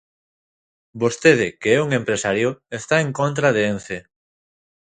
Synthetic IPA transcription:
bost̪eðɪkeɛuŋempɾesaɾjoest̪aeŋkont̪̬ɾaðeenθe

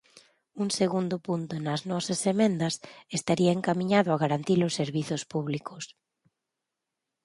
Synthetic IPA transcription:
uŋseɣund̪ʊpunt̪ʊnɐznɔsɐsemẽnd̪ɐsest̪aɾiaeŋkamĩɲaðʊaɣaɾant̪ilʊsːeɾβiθʊspuβlikʊs

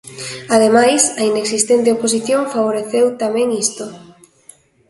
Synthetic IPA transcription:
að̞emajsaineksist̪ent̪̬eopos̬iθjõŋfaβ̞oɾeθewt̪amɛ̃ŋist̪o

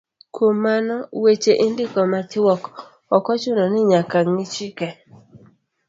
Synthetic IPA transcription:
kʰomːanɔwet͡ʃeʔɪndɪkɔmatɪwɔk | ɔkɔt͡ʃʊnɔnɪɲakaŋmɪt͡ʃikɛ

